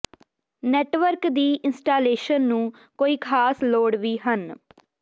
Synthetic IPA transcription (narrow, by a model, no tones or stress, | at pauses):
nɛːʈʋəɾkd̪iːʔɪnsʈaːleːʃənːũː | koːiːkʰaːsloːɽʋiːɦən